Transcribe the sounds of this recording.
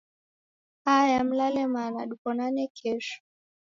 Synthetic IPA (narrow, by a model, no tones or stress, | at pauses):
ajam̩lalɛmanaɗukɔnanɛkʰɛʃu̥